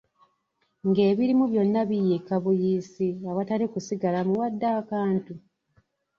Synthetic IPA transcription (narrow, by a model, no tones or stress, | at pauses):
ŋɡe̞ːβiɾimuβjo̞nːaβijikaβujiːsiaβatalikusiɡalamuwadːaːkaːntu